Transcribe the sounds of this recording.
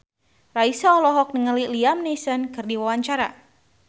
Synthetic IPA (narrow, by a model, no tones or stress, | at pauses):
raisaɔlɔɦɔk̚nəŋəliliamnesənkɨrdiwawaɲt͡ʃaɾa̰